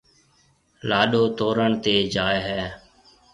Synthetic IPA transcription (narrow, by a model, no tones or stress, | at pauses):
laːɗoːt̪oːɾəɳt̪eːd͡ʒaːjɦɛː